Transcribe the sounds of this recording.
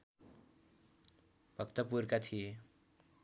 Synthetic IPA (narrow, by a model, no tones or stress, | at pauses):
b̥ʱʌkt̪ʌpurkat̪ʰie